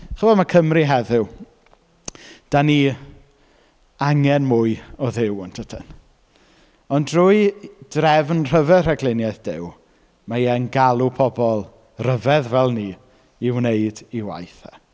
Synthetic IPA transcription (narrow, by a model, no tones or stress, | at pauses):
χəvɔdmakʰəmriɦɛðɪw | d̥ani | aŋɛnmʊɨɔðɪwɔntʰətʰən | ɔndrʊɨd̥rɛvnr̥əvɛrəɡlˠɪnjajθd̥ɪ̰w | majɛnɡalˠupʰɔbɔlˠ | rəvɛðvɛlˠni | ɪwneɨdiwa̰jθa